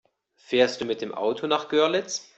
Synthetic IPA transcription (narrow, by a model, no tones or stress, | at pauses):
feːɐst̚d̥uːmɪt̚d̥eːmʔa̰ʊtʰonaːχɡ̥œɐlɪt͡s